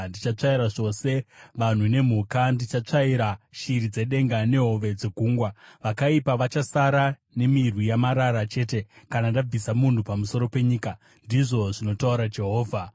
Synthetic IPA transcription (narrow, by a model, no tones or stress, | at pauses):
ndit͡ʃat͡ʂaiɾaʐo̞se̞ʋan̤une̞m̤ukandit͡ʃat͡ʂaiɾaʃiɾid͡ze̞ɗe̞ŋɡane̞ɦo̞ʋe̞d͡ze̞ɡʱuːŋɡwaʋakaipaʋat͡ʃasaɾa | ne̞mirwijamaɾaɾat͡ʃe̞ːte̞kanandab͡visamun̤upamuso̞ɾo̞pe̞ɲiːka | ndiʐo̞ʐino̞tauɾad͡ʒe̞ɦo̞ːvʱa